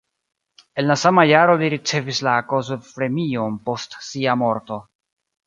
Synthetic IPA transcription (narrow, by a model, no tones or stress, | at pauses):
e̞nlasamajaɾo̞liɾit͡se̞vislako̞zofɾe̞mio̞npo̞stsiamo̞ɾto̞